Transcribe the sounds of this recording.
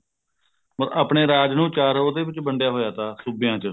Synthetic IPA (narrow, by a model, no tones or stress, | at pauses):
məɾaːpɳeːɾaːd͡ʒnũːt͡ʃaːɾoːd̪eːʋɪt͡ʃbəɳɖjaːɦoːjaːt̪aːsubɪjãːt͡ʃə